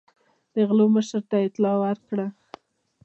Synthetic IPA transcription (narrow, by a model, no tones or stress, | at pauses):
d̪̥əɣloməʃəɾt̪aɪt̪ɪlɑwaɾkɽə